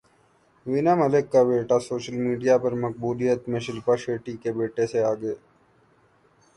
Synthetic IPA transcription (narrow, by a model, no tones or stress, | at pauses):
ʋinamɐlɪkːabeːʈasoːʃəlmiːɖijapɐɾmɐq̚buːlijət̪mẽʃɪlpaʃeːʈikebeːʈeseaːɡəeː